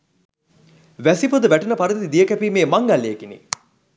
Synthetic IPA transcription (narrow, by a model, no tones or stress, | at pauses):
ʋæsipod̪əʋæʈunəpaɾəd̪t̪id̪ijəkæpiːmeːmaŋɡalːeːkinḭ